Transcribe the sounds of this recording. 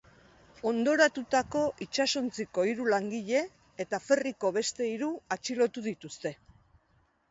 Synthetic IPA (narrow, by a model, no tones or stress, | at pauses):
o̞nd̪o̞ɾat̪ut̪ako̞ʔit͡ʃaso̞nt͡siko̞iɾulaŋɡiʎe̞ː | t̪afe̞riko̞β̞e̞st̪e̞iɾuat͡ʃilo̞t̪uð̞it̪ust̪e̞